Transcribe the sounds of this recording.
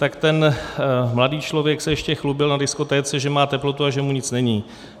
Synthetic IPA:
t̪akt̪ɛn | mladiːt͡ʃlo̞vjɛksɛjɛʃcɛxlubɪlnadɪsko̞t̪ɛːt͡sɛʒɛmaːt̪ɛplo̞t̪uaʒɛmuɲɪt͡snɛɲiː

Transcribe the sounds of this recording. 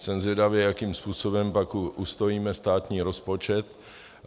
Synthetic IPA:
sɛmzvjɛdavjɛjakiːmspuːso̞bɛmpakʔust̪ojiːmɛst̪aːt̪ɲiːɾo̞spot͡ʃɛt̪

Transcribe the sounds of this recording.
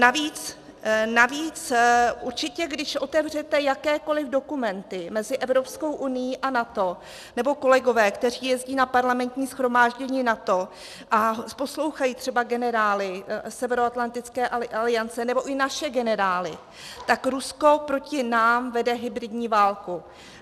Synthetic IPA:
naviːt͡s | naviːt͡sʔuɾt͡ʃɪcɛɡdɪʃʔo̞t̪ɛvr̝ɛt̪ɛjakɛːko̞lɪvdo̞kumɛnt̪ɪmɛzɪʔɛvɾo̞psko̞wʔunɪjiʔanat̪o̞ | nɛbo̞ko̞lɛɡo̞vɛːkt̪ɛr̝iːjɛzɟiːnapaɾlamɛnt̪ɲiːsxɾo̞maːʒɟɛɲiːnat̪o̞ | ʔapo̞slo̞wxajiːt̪r̥ɛbaɡɛnɛɾaːlɪsɛvɛɾoat̪lant̪ɪt͡skɛːʔalɪjant͡sɛnɛbo̞ʔɪnaʃɛɡɛnɛɾaːlɪ̰ | t̪akɾusko̞pɾo̞cɪnaːmvɛdɛɦɪbɾɪdɲiːvaːlku

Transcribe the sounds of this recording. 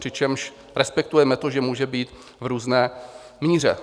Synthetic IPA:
pr̥ɪt͡ʃɛmʃ | ɾɛspɛk̚t̪ujɛmɛt̪oʒɛmuːʒɛbiːt̪ | vɾuːznɛː | miːr̝ɛ̰

